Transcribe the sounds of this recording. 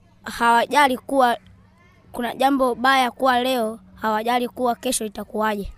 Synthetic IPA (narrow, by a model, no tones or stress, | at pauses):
hawaʄalikuwa | kunaɟambɔɓajakuwalɛɔhawaʄalikuwakɛʃɔitakuaʄɛ